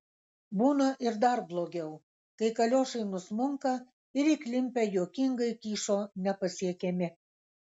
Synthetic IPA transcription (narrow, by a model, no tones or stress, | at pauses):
buːnɐʔɪɾd̪ɑrblˠoːɡʲɛʊ | kɐɪkɐlʲoːʃɐɪnʊsmʊŋkɐ | ɪɾiːklʲɪmʲpʲæjoːkʲɪŋɡɐɪkʲiːʃonʲɛpɐsʲiɛkʲemʲɪ